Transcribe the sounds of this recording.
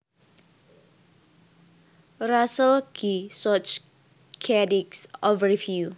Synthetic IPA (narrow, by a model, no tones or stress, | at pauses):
ɹasəlkʰisɔt͡ʃ | kʰɛdiksɔvəɹifju